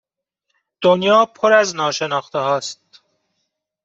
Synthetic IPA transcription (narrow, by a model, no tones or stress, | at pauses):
d̪̥onjɒːpʰoɾæznɒːʃe̞nɒːxt̪ehɒːst̪